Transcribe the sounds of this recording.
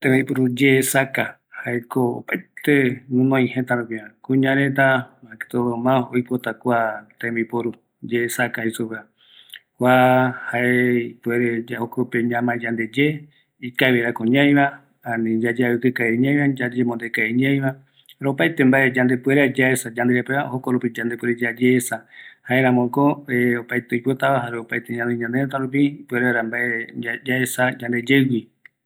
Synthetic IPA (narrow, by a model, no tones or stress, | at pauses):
t̪ẽmipoɾud͡ʒeːsaka | haekoo̰paet̪enũnõĩhẽt̪aɾõpĩãkũɲãɾẽt̪amãke̥t̪omãojpot̪akʷat̪ẽmipoɾu | d͡ʒeːsakaisoβea | hʷahaepueɾed͡ʒaokopeɲãmãd͡ʒand̪ed͡ʒe | ikaeβeɾakõɲãj̃ɾã | anĩd͡ʒad͡ʒeaɨkɨkaeɲãj̃βãd͡ʒad͡ʒemõnd̪ekaeɲãj̃βa | haɾeopajt̪e̞mbaʔe̞d͡ʒand̪epueɾad͡ʒaesad͡ʒand̪eɾepeβahokoɾupid͡ʒand̪e̞pweɾed͡ʒad͡ʒeːsahaeɾãmõkoeopajt̪eojpot̪aʋaɦaɾeopajt̪eɲãneɲãnd̪eɾat̪aɾup̬ipueɾaɾambaʔead͡ʒaesad͡ʒand̪e̞d͡ʒewi